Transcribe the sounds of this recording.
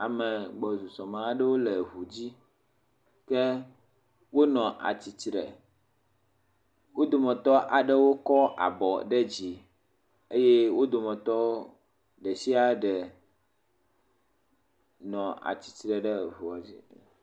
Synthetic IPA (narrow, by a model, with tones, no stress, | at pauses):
a˨mɛ˨ɡ͡bɔ˨zu˨sɔ˨mã˨ɖɛ˦wo˦lɛ˨ɦu˨d͡ʑi˦ | kɛ˦ | wo˦nɔ̃˨ʔa̰˨t͡ɕi˨t͡ɕɾɛ̰˨ | wo˦d̪o˨mɛ̃˨t̪ɔ˦ʔa˨ɖɛ˦wo˦kɔ˦ʔa̰˨bɔ˨ɖɛ˦d͡ʑi˨ | e˦je˦wo˦d̪o˨mɛ̃˨t̪ɔ˦ | ɖɛ˨si˦a˦ɖɛ˨ | nɔ̃˨ʔa̰˨t͡ɕi̥˨t͡ɕɾɛ˨ɖɛ˦˨vu˨a˨vi˦˨